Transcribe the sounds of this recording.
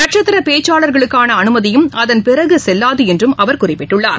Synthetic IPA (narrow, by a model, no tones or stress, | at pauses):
nɐʈt͡ʃɐt̪ːɪɾɐpeːt͡ʃːaːɭɐɾɣɐɭɯkːaːnɐɐnɯmɐðɪjɯmɐðɐnpɪrɐɣɯsɛlːaːðɯɛndrɯmʔɐʋɐɾkʊrɪpːɪʈːɯɭːa̰ːɾ